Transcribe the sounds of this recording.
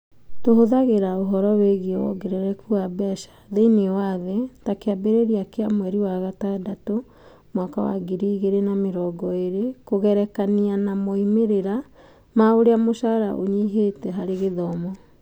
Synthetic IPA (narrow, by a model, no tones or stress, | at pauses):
tohoðaɣeɾaoɦɔɾɔweɣiwɔ̰ɡeɾeɾɛkuabɛʃḁðeinewaðetakeabeɾeɾiakeamwɛɾiwaɣatadato | mwakawa̰ɡiɾiːɣeɾenameɾɔɡɔeɾekoɣɛɾɛkanianamoimeɾeɾa | maoɾeamoʃaɾaʔoɲiɦetɛɦaɾeɣeðɔmɔ